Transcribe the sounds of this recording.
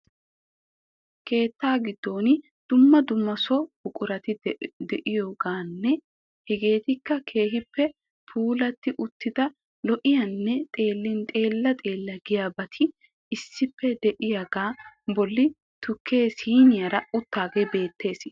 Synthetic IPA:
kʰe̞ːt̪ːaːɡɪd̪ːo̞ːnɪ | d̪̥ʊmːɐd̪ʊmːɐsɔʊkʼʊɾɐt̪ɪd̪ɛʔɪjoːɡaːnːɛ | hɛɡe̞ːt̪ɪkːɐkʰe̞ːhɪpːɛ | pʰuːlɐt̪ːɪʔʊt̪ːɪd̪ɐ | lɔʔɪjɐnːɛt̪ʼe̞ːlːɪnt̪ʼe̞ːlːɐt̪ʼe̞ːlːɐɡɪjaːbɐt̪ʰɪ | ɪsːɪpːɛd̪ɛʔɪjaɡaːbɔlːɪ | t̪ʰʊkʰːe̞ːsiːnɪjɐɾɐʊt̪ːaːɡeːbe̞ːt̪ʰːe̞ːs

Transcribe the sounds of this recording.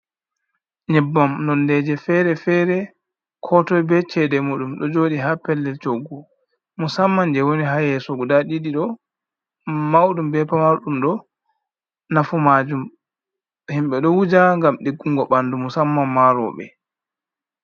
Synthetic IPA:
ɲɛbːamnɔndɛd͡ʒɛfɛɾɛfɛɾɛ | kʰɔtɔjbɛt͡ʃɛdɛmuɗumɗɔd͡ʒoːɗiɦapɛlːɛlt͡ʃoɡu | musamːand͡ʒɛwoniɦajɛsɔɡudaɗiɗiɗɔ | mawɗumbɛpamaɗumɗɔ | nafumad͡ʒum | himɓɛɗɔwud͡ʒaŋɡamɗiɡːuŋɡɔɓandumusamːamːaɾɔ̰ɓɛ̰

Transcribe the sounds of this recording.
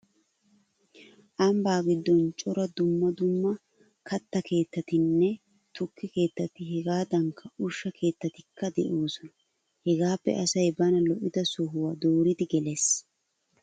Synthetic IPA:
ʔɐmbaːɡɪd̪ːɔnt͡ʃʼɔɾɐd̪ʊmːɐd̪ʊmːɐ | kʰɐt̪ːɐke̞ːt̪ːɐt̪ɪnːɛ | t̪ʊkːɪke̞ːt̪ːɐt̪ɪɦɛɡaːd̪ɐŋkʰːɐʔʊʃːɐkʰe̞ːt̪ːɐt̪ɪkːɐd̪ɛʔoːsɔnɐ | hɛɡaːpːɛ̰ʔɐsɐjbɐnɐlɔʔɪd̪ɐsɔɦʊwaːd̪oːɾɪd̪ɪɡɛles

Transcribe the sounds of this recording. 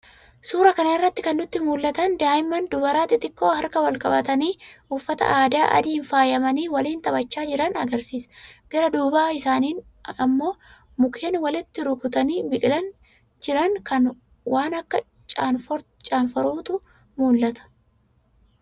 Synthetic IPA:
suːɾɐkɐnɐɪrːɐt̪ːɪkɐnːʊt̪ːɪmuːlːɐt̪ɐnd̪aːjɪmːɐnd̪ʊbɐɾaːt̪ɪt̪ʼɪkːo̞ːhɐɾkɐwɐlkʼɐbɐt̪ɐniːʊfːɐt̪ɐ̰ʔaːd̪aːʔɐ̰d̪iːnfaːjɐmɐniːwɐliːnt̪ɐbɐt͡ʃːaːd͡ʒɪɾɐnɐɡɐɾsiːsɐ̥ɡ̥ɐɾɐd̪uːbaːɪsaːniːn | ɐmːo̞ː | mʊkʰeːnwɐlɪt̪ːɪɾʊkʊt̪ɐniːbɪkʼɪlɐn | d͡ʒɪɾɐŋkɐn | wʔaːnɐkːɐ | t͡ʃʼaːnf | t͡ʃʼaːnfɐɾuːt̪ʊ | muːlːɐt̪ɐ̥

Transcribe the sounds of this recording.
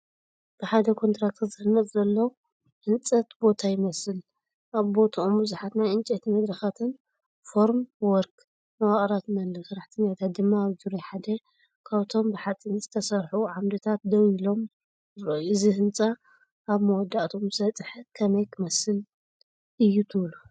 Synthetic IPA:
b̥ɨħad̪ɐkʰo̞nt̪ɾak̚t̪ʰzɨhɨnːɐt̪ʼzɐlːɐw | hɨnt͡sʼɐt̪bo̞t̪ʰajɪmɐsɨl | ʔaβbo̞t̪ʰaombɨzuħat̪najɨnt͡ʃʼet̪ʰimɐd̪ɾɐxat̪ʰɨn | fo̞ɾmwɔɾk | mɐwaχʼɾat̪mɐnɨsɨɾaħt̪ʰinat̪ʰat̪̚d̪ɨmːaːβzuɾojħad̪ɐ | kʰaβt̪ʰo̞mbɨħat͡sʼinzɨt̪ʰɐsɐɾħuʕamd̪ɨt̪ʰat̪̚d̪ɐwilo̞m | ɨɾɐɨzihɨnt͡sʼaː | βmɐwɔd̪ːaʔt̪ʰomsɐt͡sʼħɨkʰɐmɐjkʰɨmɐsɨl | ʔɨjːut̪ʰɨβlu

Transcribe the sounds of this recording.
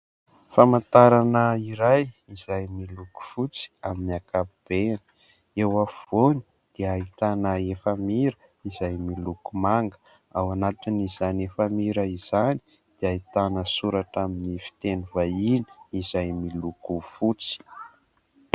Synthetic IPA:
famant̪aɾanəiɾajizajmiluku̥fut͡si̥aminiakab̥eni̥ | ewav̥oni | d̪̥eait̪anəefamiɾə | izajmilukumaŋɡə̥ | awanat̪inizanefamiɾəiz̥ani̥ | d̪̥eait̪anəsuɾaʈ͡ʂaminifi̥t̪enuvaini̥izajmilukufut͡si̥

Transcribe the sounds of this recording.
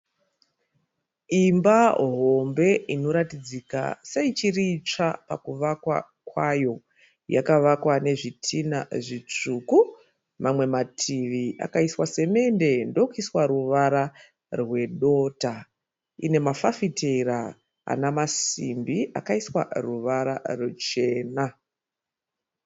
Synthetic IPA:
imbaɦo̞mbe̞ino̞ɾatid͡zika̰seit͡ʃiriːt͡ʂapakuʋakwa̰ | kwajo̞ | ja̰kaʋakwane̞ʐitʰina̰ʐit͡ʂuku | mamwe̞matʰiʋiʔa̰kaiswase̞me̞nde̞ndo̞kiswaɾuʋaɾa | rwe̞ɗo̞ːta | ine̞mafafitʰera | a̰namasimbiʔa̰kaiswa̰ruʋaɾa̰rut͡ʃe̞ːna

